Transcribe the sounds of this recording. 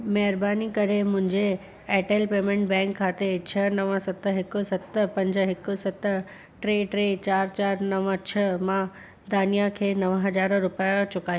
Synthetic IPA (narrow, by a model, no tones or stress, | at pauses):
mɛɦɪɾbaːnikɐɾemʊ̃ɦɪ̃ɲd͡ʑe | ɛːʈeːlpeːmẽɳʈbɛ̃ːŋkʰːaːt̪et͡ɕʰɐnɐʋəsɐt̪ə̆ɦɪkʊsɐt̪pɐ̃ɲd͡ʑɦɪkʊ̆sɐt̪ə | ʈɾeːʈɾet͡ɕaːɾt͡ɕaːɾnɐʋət͡ɕʰɐmã | d̪aːnijakʰeːnɐʋɦɐd͡ʑaːɾɾʊpjat͡ɕʊkaːji